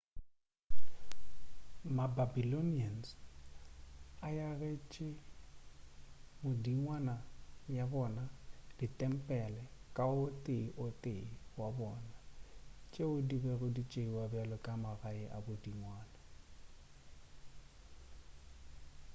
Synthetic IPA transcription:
mababilonians | ajaret͡ʃʼe | mʊdiŋwanajabɔnad̥itʼɛm̩pʼɛlɛkʼaʊtʼeiʔotʼeiwabɔːnat͡ʃʼeʊdibɛrʊdit͡ʃʼeiwabɛlɔkʼamaraɪʔabʊdiŋwaːna

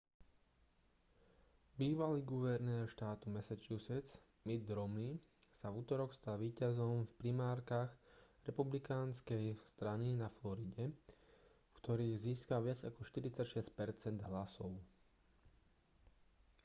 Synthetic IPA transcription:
biːʋaliːɡuʋɛɾnɛːɾʃt̪aːt̪umɛsat͡ʃɪusɛt͡s | mid̪̚ɾɔmlisavuːt̪ɔɾɔkst̪aːʋiːcazɔmfpɾimaːɾkaːɣɾɛpublikaːnskɛjst̪ɾaninaflɔɾiɟɛ | fkt̪ɔɾiːɣziːskaʋɪad͡zakɔʃt̪iɾit͡sacʃɛsc̚pɛɾt͡sɛnd̪ɦlasɔʊ

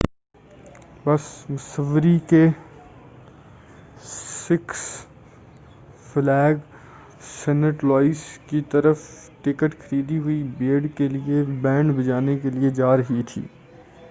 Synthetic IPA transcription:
bɐsmʊsəʋːəɾike | sɪks | flɛːɡ | sɛːnəʈlɔːɪskit̪ɐɾəf | ʈɪkəʈxʰɐɾiːd̪iɦʊibeːɽkeliebɛ̃ːɳɖbɐd͡ʒaːnekelied͡ʒaːɾɐɦit̪ʰḭː

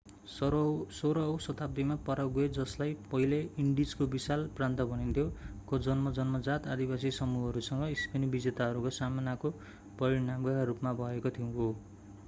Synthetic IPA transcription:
ssoɾʌwsʌt̪ab̚d̪imapʌɾawɡued͡zʌslajpʌɦileiɳɖid͡zkobisalprant̪ʌbʱʌnint̪ʰjokod͡zʌnmʌd͡zʌnmʌd͡zat̪ad̪ibasisʌmuɦʌɾusʌŋɡʌispenibid͡zet̪aɦʌɾukosamanako | pʌɾinamɡʌaɾupmabʱʌekot̪ʰiũɦo

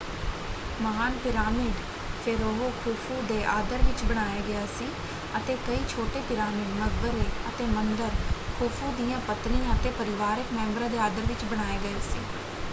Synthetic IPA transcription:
məɦaːnpɪɾaːmɪɖ | pʰɪɾoɦoːkʰuːpʰuːd̪eːʔaːd̪əɾʋɪt͡ʃbəɽ̃aːjeːɡəjaːsiː | ət̪eːkəiːt͡ʃʰoːʈeːpɪɾaːmɪɖməɡbəɾeːət̪eːmənd̪əɾkʰuːpʰuːd̪ijãːpət̪nijãət̪eːpəɾɪʋaːɾɪkmɛ̃ːmbɾãːd̪eːaːd̪əɾʋɪt͡ʃbəɽ̃aːeːɡəeːsḭː

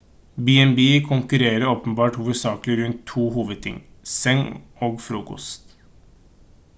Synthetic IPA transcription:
bɪɛnbiːkʰʊŋkʉɾeːɾəɾoːpənbɑːʈhʊʋəsɑːklɪɾʉnt̪ʰːuːhuːʋəd̪̚t̪ʰɪ̰ŋsɛŋoːɡfɾuːkɔ̰st̪

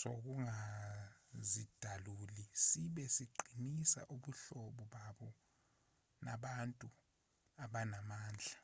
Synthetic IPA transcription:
sok̬uŋa | zid̥ʱalulisiɓɛsiǃʱinisa̰ʔuɓuɬɔɓɔɓaɓɔ | na̰ɓantʼu | aɓanamaːnd͡ɮʱa

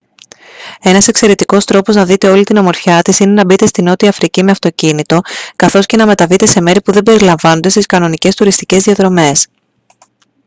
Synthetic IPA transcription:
e̞nɐse̞kse̞ɾe̞t̪iko̞st̪ɾo̞po̞znɐðit̪e̞o̞lit̪inɐmo̞ɾçɐt̪isine̞nɐbit̪e̞st̪ino̞t̪iɐfɾicime̞ɐft̪o̞cinit̪o̞kɐθo̞sce̞nɐme̞t̪ɐvit̪e̞se̞me̞ɾipuðe̞be̞ɾilɐɱvɐnod̪e̞st̪iskɐno̞nice̞st̪uɾist̪ice̞zðiɐðɾo̞me̞s

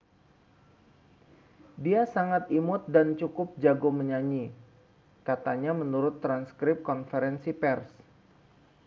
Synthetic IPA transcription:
diasaŋat̪̚imʊt̪̚dant͡ʃukʊp̚d͡ʒaɡoməɲaɲi | kat̪aɲamənuɾʊt̪ːɾanskɾɪp̚kɔnfəɾɛnsipɛrs

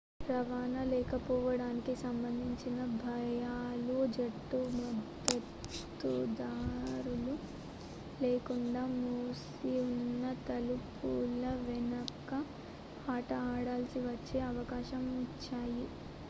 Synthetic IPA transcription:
pɾɐʋaːnɐlɛːkɐpɔːʋɐɽaːnikisɐmbɐnd̪ʱiɲt͡ʃinɐbʱɐjaːlud͡ʒɐʈːumɐd̪ | ɐt̪ː | ud̪aːɾulu | leːkuɳɖaːmuːs | iunːɐt̪ɐlupulɐʋɛnɐkːɐ | aːʈɐaːɽaːlɐsiʋɐt͡ʃːeːɐʋɐkaːʃɐmit͡ʃːaːji

